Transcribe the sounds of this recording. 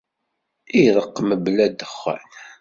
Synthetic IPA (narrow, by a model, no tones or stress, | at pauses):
iðˤəqːməblæd̪əχːæ̰n